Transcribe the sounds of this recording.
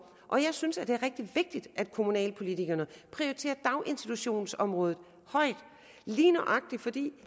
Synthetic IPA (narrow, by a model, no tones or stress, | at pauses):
ʔɒ̽jɑ̈ɪsynsæd̥e̝æɐʁɛɡ̥̚d̥iʋe̝ɡ̥̚d̥id̥ʔæd̥̚kʰo̝munɛ̰ːlpʰo̝lit͡sʰiɡ̥ɐnəpʰʁioit͡sʰe̝̰ːɐd̥ɑ̈ʊʔe̝nsd̥it͡sʰuɕo̝̰ːnsɒ̽mʁɔ̽ːð̞̩ˠ | hɒ̽ɪ̰d̥ | liːnɐʔɑ̈ɡ̥̚d̥ifɒ̽d̥ḭː